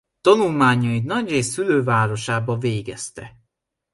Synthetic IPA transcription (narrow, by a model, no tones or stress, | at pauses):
t̪ɒnulmaːɲɒit̪nɒɟreːsːyløːvaːɾo̞ʃaːbɒveːɡɛst̪ɛ